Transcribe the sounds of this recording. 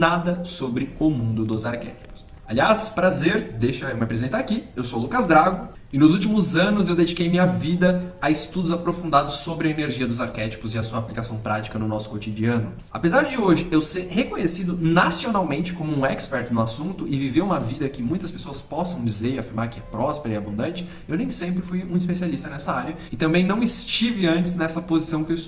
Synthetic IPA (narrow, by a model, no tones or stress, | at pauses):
nad̪ɐsobɾɪʊmũnd̪ʊd̪ʊzaɾkɛ̰t͡ʃi̥pʊ̥s | aliaspɾazeɾd̪ejʃɐmapɾezẽnt̪ɐakiewsolukɐzd̪ɾaɡʊ | ɪnʊzuwt͡ʃimʊzɐ̃nʊzewd̪ed͡ʒikejmĩɲɐvid̪ɐaɪst̪ud̪ʊzapɾofũnd̪ad̪ʊsːobɾɪɐeneɾʒiɐd̪ʊzaɾkɛt͡ʃi̥pʊzɪɐsuɐaplikasɐ̃w̃pɾat͡ʃi̥kɐnʊnɔsʊ̥kot͡ʃ̪id͡ʒiɐ̃nʊ | a̰pezaɾd͡ʒɪoʒɪewsehekõɲesid̪ʊnasionawmẽnt͡ʃɪ̥kõmʊũɛkspɛɾt̪ʊnʊasũnt̪ʊʔɪviveũmɐvid̪ɐkɪmũj̃t̪ɐspe̥soɐspɔsɐ̃w̃d͡ʒizeɾɪafiɾmaɾkɪɛpɾɔspeɾɐɪabũnd̪ɐ̃nt͡ʃɪ̥ | ewnẽj̃sẽmpɾɪfujũis̬pesialist̪ɐnɛsɐaɾjɐɪt̪ɐ̃mbẽj̃nɐ̃w̃ɪst͡ʃivɪɐ̃nt͡ʃ̪ɪznɛsɐpozisɐ̃w̃kews